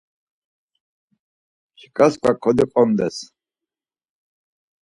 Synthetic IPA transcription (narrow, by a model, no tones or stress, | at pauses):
t͡ʃʰi̥kʼaskʷwakʰɔd̪iqʼɔmd̪ɛs